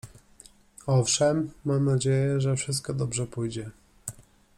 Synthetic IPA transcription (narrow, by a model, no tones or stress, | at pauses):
ɔfʂɛmːamnad͡ʑejɛʐɛfʂɘst̪̚kɔd̪ɔbʐɛpujd͡ʑɛ